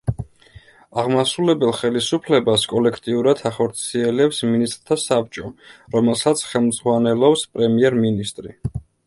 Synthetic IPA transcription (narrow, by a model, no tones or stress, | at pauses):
aʁmasulɛbɛlˠχɛlisupʰlɛbaskʼɔlɛkʰt̪ʼiuɾad̪ʰaχɔɾt̪sʰiɛlɛpsminist̪ʼɾt̪ʰasap̚t͡ʃʼɔɾɔmɛlˠsat̪sʰχɛlˠmd̪z̥ʁwanɛlɔpspʼɾɛmiɛɾminist̪ʼɾi